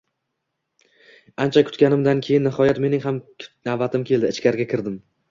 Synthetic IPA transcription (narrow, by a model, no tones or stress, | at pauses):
ant͡ʃʰakʰʊ̥t̪kʲanɪmd̪ankʲʰe̞jɪnːɪhɒjat̪me̞nɪŋɦamnabat̪ʰɪmkʲʰe̞ld̪ɪːt͡ʃkʲaɾɡʲakʲʰɪɾd̪ɪm